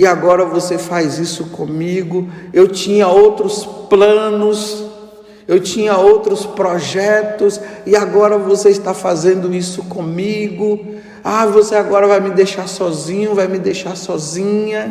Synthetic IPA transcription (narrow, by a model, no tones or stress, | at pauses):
ɪaɡɔɾɐvosefajzisʊkõmiɡʊewt͡ʃĩɲɐowt̪ɾʊsplɐ̃nʊs | ewt͡ʃĩɲɐowt̪ɾʊspɾɔʒɛt̪ʊsɪaɡɔɾɐvoseɪst̪afazẽnd̪ʊisʊkõmiɡʊ | avoseaɡɔɾɐvajmɪd̪ejʃaɾsɔzĩɲʊvajmɪd̪ejʃaɾsɔzĩɲɐ